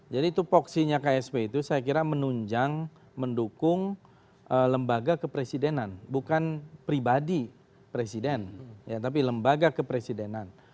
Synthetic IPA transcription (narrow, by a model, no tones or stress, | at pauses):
d͡ʒadit̪upɔksiɲakaɛspeit̪usajak̬iɾamənuɲd͡ʒaŋ | məndukʊŋ | ʔələmbaɡakəpɾesidenanbukanpɾibadi | pɾesidɛnjat̪ap̬iləmbaɡakəpɾesidenan